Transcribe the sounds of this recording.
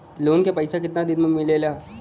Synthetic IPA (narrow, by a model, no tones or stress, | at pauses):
loːnkepɐɪsak̬ɪt̪nad̪ɪd̪mɐmɪlelaː